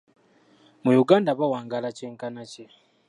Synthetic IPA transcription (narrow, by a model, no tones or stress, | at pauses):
mujuɡaːndaβawaːŋɡalaceːŋkanace